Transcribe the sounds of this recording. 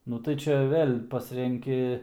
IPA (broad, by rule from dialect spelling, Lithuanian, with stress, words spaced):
ˈnʊ tɐɪ ˈt͡ʃʲɛ ˈʋʲeːlʲ ˈpɑːsʲrʲɛŋʲkʲɪ